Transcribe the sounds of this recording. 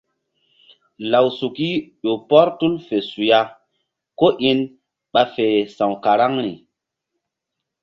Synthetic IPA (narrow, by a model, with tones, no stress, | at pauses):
la˨wsu˨ki˦ɗo˨pɔ˦ɾtu˦lfe˨su˨ja˦ | ko˦ʔi˦n | ɓa˨fe˨sã˨wka˨ɾa˦ŋɾḭ˨